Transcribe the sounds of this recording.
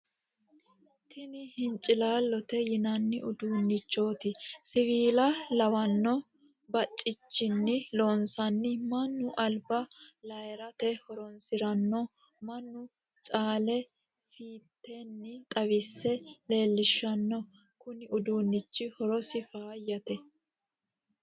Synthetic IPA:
t̪ʰɪnɪhɪnt͡ʃʼɪlaːlːɔt̪ɛjɪnɐnːɪʔʊd̪uːnːɪt͡ʃːo̞ːt̪ɪsɪviːlɐlɐwɐnːɔ | bɐt͡ʃʼːɪt͡ʃːɪnːɪlo̞ːnsɐnːɪmɐnːʊʔɐlbɐlɐjɛɾɐt̪ɛhɔɾɔnsɪɾɐnːɔ | mɐnːʊ | t͡sʼaːlɛ | fiːt̪ːɛnːɪt̪ʼɐwɪsːɛle̞ːlːɪʃːɐnːɔ | kʊnɪʊd̪uːnːɪt͡ʃːɪhɔɾɔsɪfaːjːɐt̪ɛ

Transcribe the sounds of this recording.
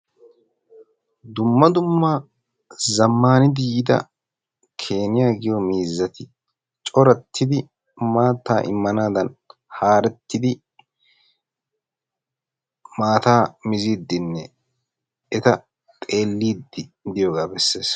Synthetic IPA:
d̪ʊmːɐd̪ʊmːa | zɐmːaːnɪd̪ɪjɪd̪ɐ̰ | kʰeːnɪjaːɡɪjɔmiːzːɐt̪ɪ | t͡ʃʼɔɾɐt̪ʰːɪd̪ɪ | maːt̪ːaːʔɪ̰mːɐnaːd̪ɐn | haːɾɛt̪ːɪd̪ɪ | maːt̪aːmɪziːd̪ːɪnːɛ | ɛt̪ɐ | t̪ʼe̞ːlːiːd̪ːɪd̪ɪjoːɡaːbɛsːe̞ːs

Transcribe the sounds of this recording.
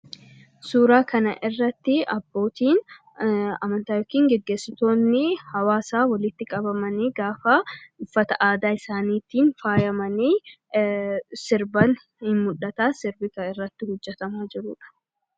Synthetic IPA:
suːɾaːkʰɐnɐʔɪrːɐt̪ːɪɐbːo̞ːt̪iːn | ɐ̰mɐnt̪aːjɔkiːŋɡɛɡːe̞ːsɪt̪o̞ːnːɪhɐwaːsaːwɐlɪt̪ːɪkʼɐbɐmɐniːɡaːfɐʊfːɐt̪ɐʔaːd̪aːɪsaːniːt̪iːnfaːjɐmɐniː | sɪɾbɐn | hɪmmʊᶑɐt̪aːsɪɾbɪkɐɪrːɐt̪ːɪhʊd͡ʒːɛt̪ɐmaːd͡ʒɪɾʊːᶑɐ̥

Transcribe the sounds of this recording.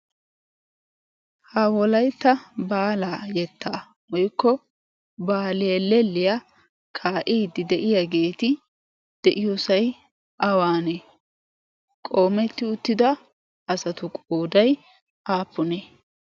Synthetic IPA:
hawɔlɐjt̪ːɐbaːlaːjɛt̪ːaː | wɔjkːɔ | baːlɪjɛlːɛlːɪjɐ | kʰaːʔiːd̪ɪd̪ɛʔɪjaɡe̞ːt̪ɪ | d̪̥ɛʔɪjɔsɐj | ʔɐwaːne | kʼo̞ːmɛt̪ːɪʊt̪ːɪd̪ɐ | ɐsɐt̪ʊkʼoːd̪ɐj | ʔaːpːʊneː

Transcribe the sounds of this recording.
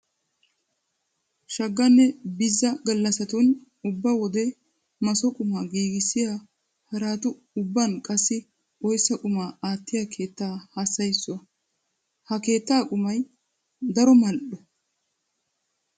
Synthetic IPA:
ʃɐɡːɐnːɛbɪzːɐɡɐlːɐsɐt̪ʊn | ʊbːawɔd̪ɛ | mɐsɔkʼʊmaːɡiːɡɪsɪjaː | hɐɾaːt̪ʊ | ʊbːɐnkʼɐsːɪ | ɔjsːɐkʼʊmaːaːt̪ːɪjaːkʰe̞ːt̪ːaːhasːɐjsːɔɐ | hɐke̞ːt̪ːaːkʼʊmɐj | d̪ɐɾɔmɐlɗɔ

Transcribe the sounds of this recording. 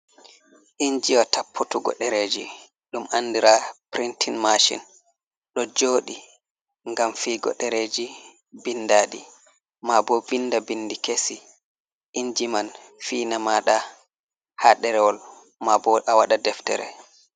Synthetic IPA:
ʔiɲd͡ʒiwatapʰːutuɡɔ̰ɗɛɾeːd͡ʒi | ɗumʔandiɾapɾintʰinmaʃḭn | ɗɔd͡ʒoːɗi | ŋɡamfiːɡɔ̰ɗɛɾed͡ʒi | bindaːɗi | mabɔbindabindikesi | ʔiɲd͡ʒiman | fiːnamaːɗa | haɗɛɾɛwɔl | mabɔʔawaɗadɛftɛ̰ɾɛ̰

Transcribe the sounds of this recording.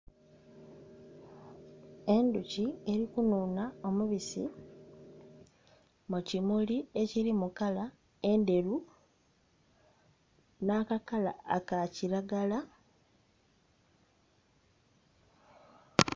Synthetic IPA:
e̞nducie̞ɾikunuːnao̞muβisḭ | mucimulie̞ciɾimukala | e̞nde̞ɾu | naːkakala̰ːkaciɾaɡala

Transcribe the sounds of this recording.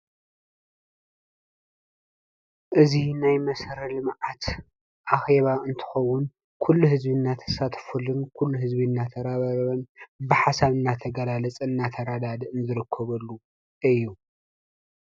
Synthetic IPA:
ʔɨzinajmɐsɾɐlɨmʕat̪ | ʔaxe̞βaʔɨnt̪ʰɨ̥xɐwːʊn | kʰulːuhɨzbinːat̪ʰɐ̥sat̪ʰfulɨnkʰulːuɦɨzbinːat̪ʰɐɾaβaβɐβɐnbɨħasaβɨnːat̪ʰɐɡɐlalɐt͡sʼɨnːat̪ʰɐɾad̪ad̪ɨʔɨnzɨɾɨkʰːɐβɐlːu | ʔɨjːu

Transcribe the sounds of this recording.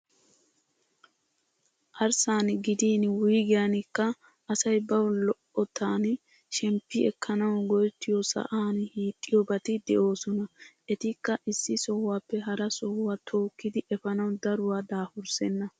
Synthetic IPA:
ʔɐɾsaːnɡɪd̪iːnwʊjɡɪjanɪkːɐ | ɐsɐjbɐwlɔʔɔt̪ʰaːn | ʃɛmpːɪɛkʰːɐnɐwɡɔjt̪ːɪjɔsɐ̰ʔaːnhiːt̪ʼːɪjɔbɐt̪ɪd̪ɛʔo̞ːsɔnɐʔɛt̪ɪkːɐʔɪsːɪsɔhwaːpːɛɦɐɾɐsɔhwaːt̪ʰo̞ːkːɪd̪ɪʔɛfɐnɐwd̪ɐɾʊwaːd̪aːfʊɾsɛnːɐ

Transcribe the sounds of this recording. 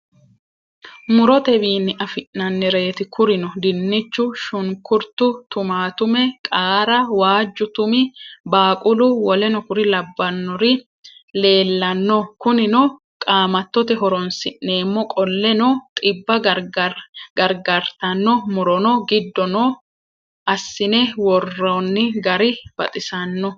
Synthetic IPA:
mʊɾɔt̪ɛbiːnːɪʔɐfɪʔnɐnːɛɾe̞ːt̪ɪkʰʊɾɪnɔd̪ɪnːɪt͡ʃːʊʃʊŋkʊɾt̪ʊt̪ʊmaːt̪ʊmɛkʼaːɾɐwaːd͡ʒːʊt̪ʊmɪbaːkʼʊlʊwɔlɛnɔkʊɾɪlɐbːɐnːɔɾɪ | le̞ːlːɐnːɔkʊnɪnɔ | kʼaːmɐt̪ːɔt̪ɛɦɔɾɔnsɪʔne̞ːmːɔkʼɔlːɛnɔt̪ʼɪbːɐ | ɡɐɾɡɐɾt̪ɐnːɔmʊɾɔnɔɡɪd̪ːɔnɔ | ʔɐsːɪnɛwɔrːɐnːɪɡɐɾɪb̥ɐ̰t̪ʼɪsɐnːɔ

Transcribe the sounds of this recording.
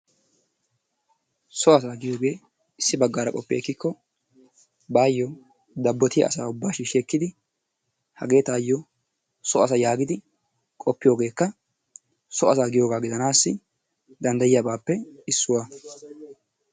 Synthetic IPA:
sɔɐs̬aːɡɪjo̞ːɡe̞ː | ɪsːɪbɐɡːaːɾɐkʼɔpːeːkːɪkʰːɔ | baːjːɔ | d̪ɐbːɔt̪ɪjɐ̰ɐsaːʊbːaːʃiʃeːkːɪd̪ɪ | hɐ̰ɡe̞ːt̪aːjːɔ | sɔɐs̬ɐjaːɡɪd̪ɪ | kʼɔpːɪjo̞ːɡe̞ːkːɐ | sɔɐsaːɡɪjo̞ːɡaːɡɪd̪ɐnaːsːɪ | d̪ɐnd̪ɐjɪjabaːpːɛɪsːʊwaː

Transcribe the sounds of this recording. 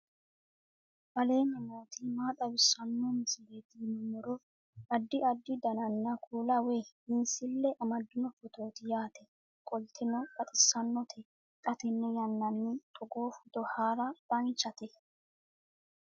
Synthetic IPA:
bɐle̞ːnɛmoːt̪ɪmaːt̪ʼɐbɪsːɐnːɔmɪsɪleːt̪iːnɔnɔɾɔ | ɐd̪ːɪɐd̪ːɪd̪ɐnɐnːɐkʰuːlɐwe | ɪnsɪlːɛʔɐmɐd̪ːɪnɔfɔt̪o̞ːt̪ɪjaːt̪ʰɛ | kʼɔlt̪ʰɪnɔkʼɐt̪ʼɪsːɐnːɔt̪ʰɛ | kʼɐt̪ɛnːɛjɐnːɐnːɪt̪ʼɔɡoːfɔd̪ɔhaːɾɐb̥ɐnt͡ʃːɐt̪ɛ

